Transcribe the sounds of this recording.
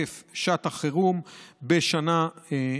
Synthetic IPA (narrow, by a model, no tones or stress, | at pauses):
efʃat̪aχeʁumbeʃana